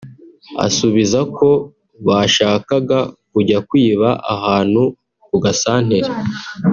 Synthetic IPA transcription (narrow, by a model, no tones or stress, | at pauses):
a̰suβizakʰo̞ | βaʃaːkaɡakuɟakwiːβaʔahaːn̥hu | kuɡasaːn̥he̞ɾe